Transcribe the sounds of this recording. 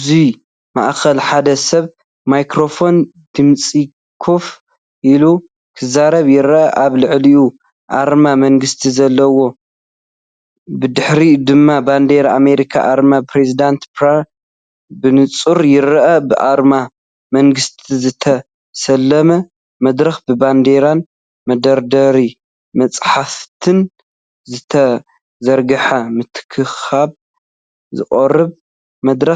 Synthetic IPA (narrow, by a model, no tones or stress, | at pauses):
zi | ma̰ʔxɐlħad̪ɐsɐβ | majkɾo̞fo̞n | d̪̥ɨmt͡sʼi | kʰof | ʔilu | kʰɨzaɾɐβjɪɾɐʔɐʔaβlɨʕliʔu | ʔa̰ɾmamɐŋɡɨst̪ʰizɐlːɐwo̞ | bɨd̪ɨħɾid̪ɨmːaband̪eɾame̞ɾikʰa̰ʔaɾmapɾezid̪ant̪pɾa | bɨnɨt͡sʼuɾjɪɾɐʔɐbɨʔa̰ɾma | mɐŋɡɨst̪ʰizɨt̪ʰɐ | sɐlːɐmɐ | mɐd̪ɾɐxbɨband̪eɾan | mɐd̪ɐɾd̪ɐɾi | mɐt͡sʼħaft̪ʰɨn | zɨt̪ʰɐ | zɐɾɡɐħɐmɨt̪ʰɨ̥kʰɨxaβ | zɨ̰χʼɐrɨβ | mɐd̪ɾɐ